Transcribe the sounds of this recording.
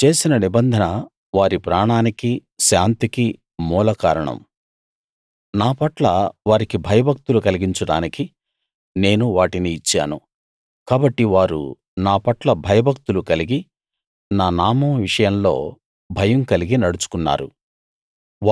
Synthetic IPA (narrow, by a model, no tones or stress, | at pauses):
t͡ʃe̞ːsinɐnibɐnd̪ʱɐnɐ | ʋaːɾipɾaːɳaːnikiʃaːnt̪iki | muːlɐkaːɾɐɳɐ̰m | naːpɐʈlɐʋaːɾikibʱɐjɐbʱɐk̚t̪ulukɐliɡiɲt͡ʃɐɽa̰ːniki | ne̞ːnuʋaːʈiniːt͡ʃːa̰ːnṵ | kaːbɐʈːiʋaːɾṵ | naːpɐʈlɐbʱɐjɐbʱɐk̚t̪ulukɐliɡi | naːnaːmɐʋiʂɐjɐmlo̞̰ː | bʱɐjɐmkɐliɡinɐɽut͡ʃu̥kunːa̰ːɾṵ